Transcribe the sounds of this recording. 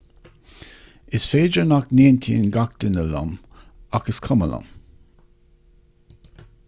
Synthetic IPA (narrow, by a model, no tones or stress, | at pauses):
ɪsfeːd͡ʒəɹnakneːntʰiənɡak̚t̪ənəla̰makəskʰʊmələ̰m